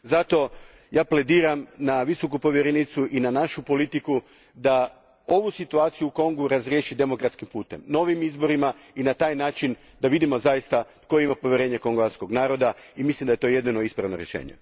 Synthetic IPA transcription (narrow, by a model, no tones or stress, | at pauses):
zat̪o̞ | jaːple̞d̪iːɾamnaʋiso̞kupo̞ʋje̞ɾenit̪suʔinanaʃupo̞lit̪iku | d̪a | o̞ʋusit̪uaːt̪sijuuko̞ŋɡuɾazɾjeːʃid̪e̞mo̞kɾat̪skimpuːt̪emno̞ʋimizbo̞ɾima | inat̪aːjnaːt͡ʃin | d̪aʋid̪imo̞zajist̪at̪koeimapo̞ʋje̞ɾe̞ːɲe̞ko̞ŋɡoʋat̪sko̞ɡnaːɾo̞d̪aimislimd̪ajet̪oːje̞d̪nino̞ispɾaʋnoɾjeʃḛːɲḛ